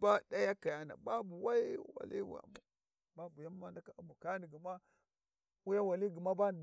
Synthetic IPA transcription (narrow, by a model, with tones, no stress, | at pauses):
ba˦da˦ja˦ka˨ja˦na̰˨ba˦bu˨wa˦i˦wa̰˨lḭ˦wa̰˨mu˨ | ba˦bu˨ja˦mː˦a˦nda˦ka˦u˦mbu˨ka˦ni˨ɡi˨ma˦ | u˦ja˦wa˨li˦ɡi˨ma˦ba˦n˨